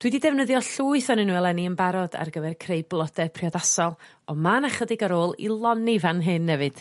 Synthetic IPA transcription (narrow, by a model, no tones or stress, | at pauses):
d̥wɪdidɛvnəðjɔɬuːɨθɔnɪnuːɛlˠɛniənbaɾɔda̰rɡəvɛrkʰrejblˠɔdɛpʰriɔdasɔlˠ | ɔmanaχədɪɡaɾoːlˠḭlˠɔnivanɦɨnːɛvɨd̥